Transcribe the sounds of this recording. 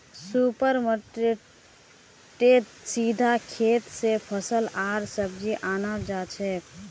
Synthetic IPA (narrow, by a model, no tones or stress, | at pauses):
supəɾməʈe | ʈeʈsid̪ʱakʰet̪sepʰəsəlaɾsəb̚d͡ʒiʔaːnad͡ʒat͡ʃʰɛ